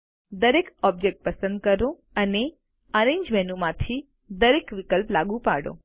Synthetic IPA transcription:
d̪əɾekɔb̚d͡ʒek̚ʈ̚pəsə̃nd̪̚kəɾõ | əne | əɾẽɲd͡ʒmɛnumãt̪ʰi | d̪əɾekʋikəlplaɡũpaɽõ̰

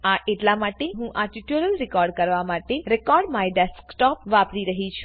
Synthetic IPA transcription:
aʔeʈlamaʈeɦũʔaʈiʈjuɾəlɾɪkɔɾɖkəɾʋamaʈeɾekɔɾɖmajɖɛskʈɔpʋapɾiɾəɦit͡ʃʰu̥

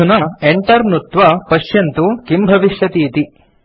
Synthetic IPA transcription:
unɐeɳʈɐɾnut̪ʋɐpɐʃjɐnt̪ukimbʱɐʋiʃjɐt̪iːt̪i

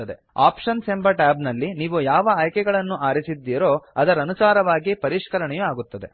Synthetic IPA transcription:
ɐd̪e | a̰ːpʂɐnsembɐʈaːbnɐlːiniːʋujaːʋɐaːjkɛɡɐɭɐnːuʔaːɾisid̪ːiːɾo̞ːɐd̪ɐɾɐɐnusaːɾɐʋaːɡipɐɾiʂkɐɾɐɳɛjuaːɡut̪ːɐd̪e̞̰

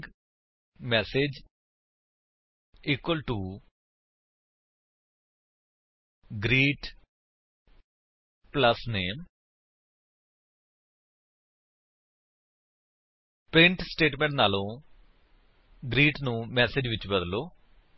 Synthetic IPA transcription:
mɛːsed͡ʒ | iːkwəlʈuː | ɡɾiːʈ | pləsneːm | pɾɪ̃ɳʈsʈeːʈmɛ̃ːɳʈnaːlõː | ɡɾiːʈnũːmɛːseːd͡ʒʋɪt͡ʃbəd̪loː

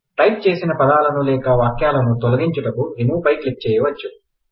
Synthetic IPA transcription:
ʈɐjp̚t͡ʃeːsinɐpɐd̪aːlɐnulɛːkɐʋaːkjaːlɐnut̪olɐɡiɲt͡ʃuʈɐkuemuːpɐjklik̚t͡ʃɛːjɐʋɐt͡ʃːu

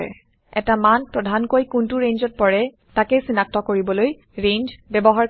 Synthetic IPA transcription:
ɛ̰ | ɛ̰tamanpɹɔdʱankojkuntuɹẽnd͡ʒɔt̚pɔɹɛ | takesinak̚tɔkoɹibɔloj | ɹend͡ʒbɛbɔɦaɹ

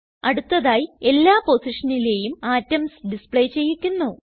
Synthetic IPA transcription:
ɐɽut̪ːɐðaːjie̞lːaːpo̞siʂɐnile̞ːjumaːtːɐmsɖispɭejt͡ɕe̞jːikʲːunːuː

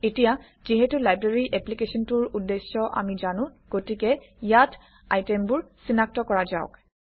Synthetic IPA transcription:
etija | ziɦɛtulajbɹaɹiʔɛplikesɔntuɹudːesːɔʔa̰mizanʊ̃ɡ̥otikɛjatʰ | a̰jtɛmbʊɹsinak̚tɔkɔɹaza̰ʊ̰k

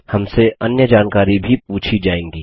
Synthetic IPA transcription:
hɐmseʔɐnjəd͡ʒaːnkaːɾibʱip̚uːt͡ʃʰid͡ʒaːẽːŋɡiː

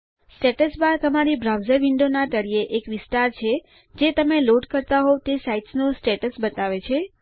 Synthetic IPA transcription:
sʈeʈəsbadt̪əmaɾibɾawzəɾʋiɳɖonaʈ̪əɽieʔekʋɪst̪aɾt͡ʃʰe | d͡ʒet̪əmeloɖkəɾt̪aɦot̪esaiʈsnosʈeʈəsbət̪aʋet͡ʃʰe

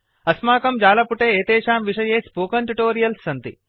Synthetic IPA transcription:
ɐsmaːkɐmd͡ʒaːlɐpuʈeːeːt̪eːʃaːmʋiʂɐjeːspoːkɐɳʈuʈoːɾijɐlsːɐnt̪ḭ

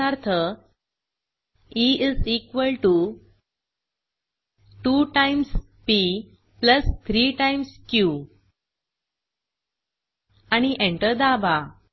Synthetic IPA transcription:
aɾt̪ʰə | iizikʋəlʈu | ʈuʈãjms | pi | pləst̪ʰɾiːʈãjmskju | añiʔẽɳʈəɾd̪aba

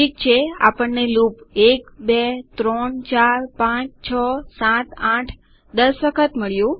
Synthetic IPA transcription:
ʈʰik̚t͡ʃʰea̰pəɳːelupekbet̪ɾɔɳt͡ʃaɾpãt͡ʃt͡ʃʰəsãt̪aʈʰ | d̪əsʋəkʰət̪məɭjũ

